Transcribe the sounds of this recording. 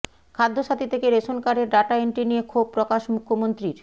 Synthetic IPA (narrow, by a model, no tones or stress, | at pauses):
kʰad̪ʱːoʃat̪it̪ʰekeɾeʃonkaɾeɾɖaʈaeɳʈinijekʰob̚pɾokaʃmukʰːomont̪ɾiɾ